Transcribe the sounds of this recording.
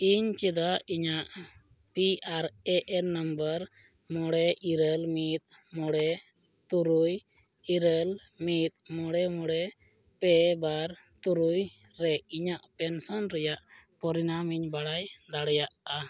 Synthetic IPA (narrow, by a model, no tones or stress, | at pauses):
iɲt͡ʃid̪aiɲaʔ | piaɾɛʔɛnəmbəɾ | mɔɽɛʔiɾəlmit̪̚ | mɔɽɛ | t̪uɾuj | iɾəl | mit̪̚mɔɽɛmɔɽɛ | pɛbaɾ | t̪uɾuj | ɾɛiɲaʔpɛnsɔnɾɛjaʔpɔɾinamiɲbaɽajd̪aɽɛjaʔa